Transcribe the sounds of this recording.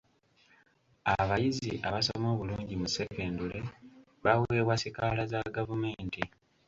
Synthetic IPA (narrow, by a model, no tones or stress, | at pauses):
aβajiziʔaβasomo̞ːβuluːɲɟimuse̞keːndule̞ | βawueβwasikalazaɡavume̞ːnti